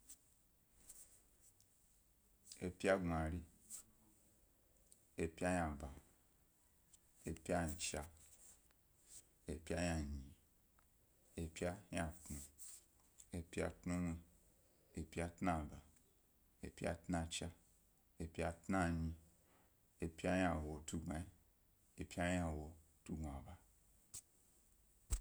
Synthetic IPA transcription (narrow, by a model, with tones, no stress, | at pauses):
e˨pi˦a˦ɡa˨ɾi˦ | e˨pi˦a˦ja˨ba˨ | e˨pi˦a˦˨t͡ʃa˦ | e˨pi˦a˦ja˨ɲĩ˨ | e˨pi˦a˦ja˨tnu˨ | e˨pi˦a̰˦tnũ˦ne˦˨ | e˨pi˦a˦tna˦˨ba˨ | e˨pi˦a̰˦tna˦t͡ʃa˦ | e˨pi˦a˦tna˦ɲĩ˦ | e˨pa˦ja˨wo˨tu˦˨ɡa˨i˨ | e˨pi˦a˦ja˨wo˨ | tu˦ɡa˨ba˨